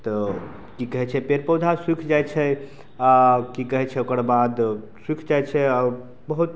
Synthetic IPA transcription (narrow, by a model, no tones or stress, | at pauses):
t̪ɔ | kikəɦɛt͡ʃʰɛpeɾpəwd̪ʱaswikʰd͡ʒajt͡ʃʰɛ | akikəɦɛt͡ʃʰɛokəɾbad̪ | swikʰd͡ʒajt͡ʃʰɛa | bəɦut̪̚